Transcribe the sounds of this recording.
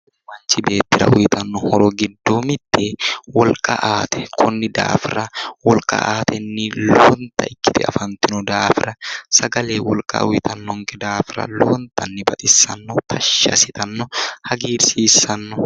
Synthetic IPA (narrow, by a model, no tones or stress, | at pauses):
mɐnt͡ʃːɪbe̞ːt̪ːɪɾɐ̰ʔʊjɪt̪ɐnːɔhɔɾɔɡɪd̪ːoːmɪt̪ːeːwɔlkʼɐ̰ʔaːt̪ɛ̥kʰɔnːɪd̪a̰ːfɪɾɐwɔlkʼɐ̰ʔaːt̪ɛnːɪloːnt̪ɐɪkːɪ̥t̪ɪɐ̰fɐnt̪ɪnʊd̪aːfɪɾɐsɐɡɐle̞ːwɔlkʼa̰ʔʊjɪt̪ʰɐnːɔŋkɛd̪aːfɾɐ̰loːnt̪ɐnːɪbɐt̪ʼɪsːɐnːɔt̪ʰɐʃːɐ̰sɪt̪ɐnːɔhɐɡiːɾsiːsːɐnːɔ